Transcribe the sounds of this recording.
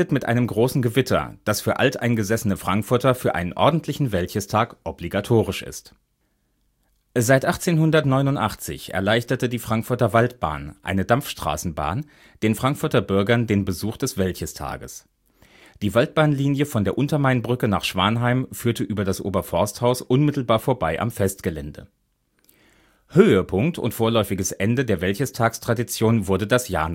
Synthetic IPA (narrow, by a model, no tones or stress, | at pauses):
ətmɪtʔa̰ɪnəmɡʁoːsn̩ɡəvɪtʰɐ̰d̥asfyːɐʔa̰ltʔa̰ɪnɡəzɛsənəfʁ̥aŋkfʊɐtɐfyːɐʔa̰ɪnənʔɔɐdn̩tʰlɪçn̩vɛltçəstʰaːkʔɔbliɡatʰoːʁ̞ɪʃʔɪ̰st | zaɪtʔaχt͡seːnhʊndɐtnɔʏnʊntʔa̰χt͡sɪ̰çʔɛ̰ɐlaɪçtɐtədiːfʁ̥aŋkfʊɐtɐvaltb̥a̰ːnʔa̰ɪnədamfʃtʁ̥a̰ːsn̩ba̰ːn | d̥eːnfʁ̥aŋkfʊɐtɐbʏɐɡɐndeːnbəzuːχd̥ɛsv̥ɛlçəstʰa̰ːɡəs | d̥iːvalt̚b̥aːnliːnjəfɔndeːɐʔʊntɐmaɪnbʁʏkənaːχʃv̥aːnɦaɪmfyːɐtəʔyːbɐdasʔo̰ːbɐfɔɐsthaʊsʔʊnmɪtl̩baːɐfoːɐbaɪʔa̰mfɛst̚ɡ̥əlɛndə̰ | høːəpʰʊŋktʰʊ̰ntfoːɐlɔʏfɪɡəsʔɛndədeːɐvɛlçəstʰaːkstʁ̥adit͡sjoːnvʊɐdədasja̰ːn